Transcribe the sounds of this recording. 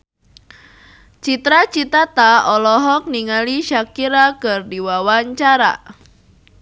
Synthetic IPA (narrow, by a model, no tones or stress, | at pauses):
t͡ʃit̪ɾat͡ʃit̪at̪aɔlɔɦɔk̚niŋaliʃakiɾakɨrdiwawaɲt͡ʃaɾa̰